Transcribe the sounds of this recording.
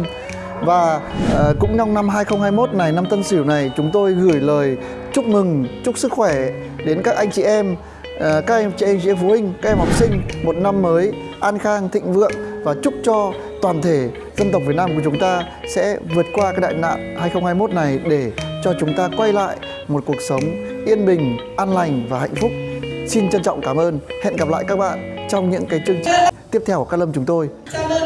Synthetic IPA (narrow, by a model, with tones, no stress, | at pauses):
vaː˨˩kʊ̰˧˥ŋ͡mt͡ɕɔ˧wŋ͡mna˧mɦaː˧jxə˧wŋ͡mhaː˧jmo˦˥t̚na˨˩jna˧mt̪ə˧nsi˧˩ə˩wna˨˩jt͡ɕʊ˨˦ŋ͡mt̪o˧jɣɨ˧˩əjləː˨˩j | t͡ɕʊ˦˥k͡p̚mɨ˨˩ŋt͡ɕʊ˦˥k͡p̚sɨ˦˥k̚xwɛ˧˩ | ɗe˨˦nkaː˦˥k̚ʔa˧jŋt͡ɕḭ˧˨ʔɛ˧m | kaː˦˥k̚t͡ɕi˧˩ʔɛ˧jŋt͡ɕi˧˨ɛ˧mfo˨˦hï˧ŋ̟ka˦˥k̚ʔɛ˧mhɔ˨˩p̚sï˧ŋ̟mo˨˩t̚na˧mːəː˨˦jʔaː˧nxaː˧ŋt̪ʰḭ˧˨ŋ̟vɨ̰˧˨ənvaː˨˩t͡ɕʊ˦˥k͡p̚t͡ɕɔ˧ | t̪waː˨˩nt̪ʰe˧˩ | zə˧mnt̪ə˨˩w̚k͡pvi˨˩t̚naː˧ku˨˩t͡ɕʊ˨˦ŋ͡mt̪aː˧ | sɛ̰˧˥vɨ˨˩ət̚kwaː˧kaː˦˥k̚ɗa̰ː˧˨na̰ː˧˨mhaː˧jxə˧wŋ͡mhaː˧jmo˦˥t̚na˨˩jɗe˧˩t͡ɕɔ˧t͡ɕʊ˨˦ŋ͡mt̪aː˧kwa˧jla̰ː˧˨j | mo˨˩t̚ku˨˩ək̚sə˨˦wŋ͡m | ʔi˧ənɓï˨˩ŋ̟ʔaː˧nla˨˩jŋ̟vaː˨˩ha̰˧˨jŋ̟fʊ˦˥k͡p̚si˧nt͡ɕə˧nt͡ɕɔ̰˧˨wŋ͡mkaː˧˩mʔəː˧nhḛ˧˨nɣa˨˩p̚la̰ː˧˨jka˦˥k̚ɓa̰ː˧˨nt͡ɕɔ˧wŋ͡mɲɨ̰˧˥ŋkaː˨˦jt͡ɕɨ˧əŋt͡ɕï˨˩ŋ̟t̪i˦˥əp̚t̪ʰɛ˧wka˦˥k̚lə˧mt͡ɕʊ˨˦ŋ͡mt̪o˧j